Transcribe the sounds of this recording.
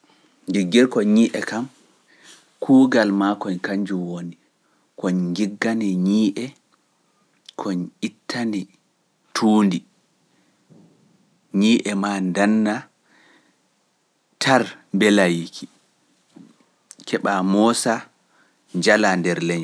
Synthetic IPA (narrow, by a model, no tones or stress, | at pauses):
ŋɡiɡːɛɾkɔɲiːʔɛkam | kʰuːɡalmakɔɲkaɲd͡ʒumwoni | kɔɲɡiɡːanɛɲiːʔɛ | kʰɔɲitʰːandi | tʰuːndi | ɲiːʔɛmandanːa | tʰaɾmbɛlajikʰi | kʰɛɓamɔsa | ɲd͡ʒalandɛɾlɛɲ